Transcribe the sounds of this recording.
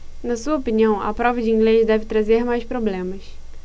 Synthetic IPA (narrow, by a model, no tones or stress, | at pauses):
nɐsuɐopiniɐ̃w̃ɐ̰pɾɔvɐd͡ʒɪiĩŋɡlezd̪ɛvɪt̪ɾazeɾmajspɾoblẽmɐs